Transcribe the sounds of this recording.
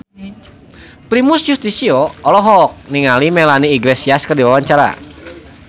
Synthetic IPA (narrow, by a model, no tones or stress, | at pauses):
pɾimʊsjust̪isioɔlɔɦɔk̚niŋalimeɛlaniːɡlesiaskərdiwawaɲt͡ʃaɾa̰